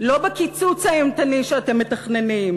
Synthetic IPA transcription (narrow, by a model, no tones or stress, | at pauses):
lo̞bekit͡sut͡saemt̪aniʃeat̪emːet̪aχne̞nim